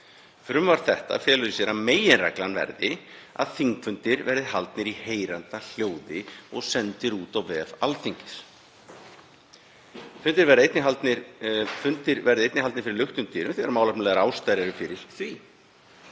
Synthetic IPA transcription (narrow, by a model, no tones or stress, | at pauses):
fɾʏmvaɾ̥θɛht̪a̰fjɛːlʏðɪsjɛɾameːjɪnra̰klanvɛ̰ɾðɪa̰ðθiŋkfʏnt̪ɪɾvɛɾðɪɦalt̪nɪɾiheːjɾant̪al̥joːwðɪɔɣsɛnt̪ɪɾuːt̪awvɛːvalθiɲcɪ̥s | fʏnt̪ɪɾvɛɾðɪejt̪nɪɦalt̪nɪɾfʏnt̪ɪɾvɛɾðɪejt̪nɪhɦalnɪɾfɪɾɪɾlʏht̪ʏmt̪ʰiːɾʏmθɛðaɾmawlapnlɛːɣaɾaːwst̪ajɾaɾʏfɪɾɪɾ̥θvi